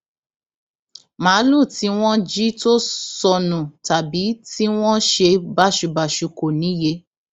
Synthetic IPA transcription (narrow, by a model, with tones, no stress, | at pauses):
mãː˨˦lu˦˨ti˨˦w̃ɔ̃˦d͡ʒi˦to˦sɔ˧nũ˨ta˨bi˨˦ti˦w̃ɔ̃˦ʃe˧ba˦ʃu˧ba˨ʃu˧ko˨nĩ˨˦je˦